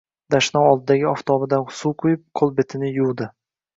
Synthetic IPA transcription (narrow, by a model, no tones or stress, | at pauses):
d̪̥aʃnɒwɒlˠd̪ɪd̪aɡʲɪɒft̪ʰɒbɪd̪ansuwqʰʊjɪp̚qʰolˠbe̞t̪ʰɪnɪjuwd̪ɪ